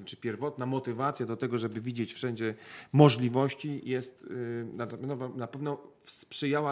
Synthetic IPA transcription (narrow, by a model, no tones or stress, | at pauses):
t͡ʂɘpʲjɛɾvɔt̪namɔt̪ɘvat̪sʲjad̪ɔt̪ɛɡɔʐɛbɘvʲid͡ʑet͡ɕfʂɛɲd͡ʑɛmɔʐlʲivɔɕt͡ɕijɛst̪naɛnɔvnapɛvnɔfspʂɘjawa